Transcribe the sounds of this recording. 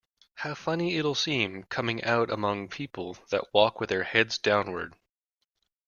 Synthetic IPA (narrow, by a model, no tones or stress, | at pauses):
haʊfʌniɪɾl̩ˠsĩmkʰʌmɪ̃ŋʔaʊɾə̰mʌ̃ŋpʰipl̩ˠðɨ̰ʔwɔkwɨðə˞hɛdzdãʊ̃nwə̰˞d̥